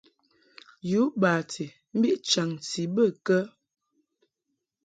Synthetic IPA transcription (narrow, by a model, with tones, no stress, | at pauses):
ju˨˦baː˨tʰi˨ | m̩˦bi˦ʔt͡ʃa˨ŋti˨bə˦˨kə˦